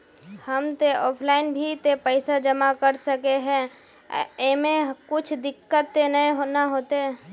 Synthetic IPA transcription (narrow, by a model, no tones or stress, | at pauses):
həmt̪eɔːpʰlaːɪnbʱit̪epəɪsad͡ʒəmakəɾsəkeɦɛ̃ | emẽɦkʊt͡ʃʰd̪ɪkːət̪ːenəeɦonaɦoːt̪eɦɛ